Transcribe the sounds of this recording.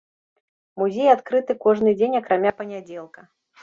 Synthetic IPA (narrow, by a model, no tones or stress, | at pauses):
muzʲejat̪kɾɨt̪ɨkɔʐnɨd͡zʲenʲɐkɾʔamʲapɐnʲad͡zʲɛlˠkɐ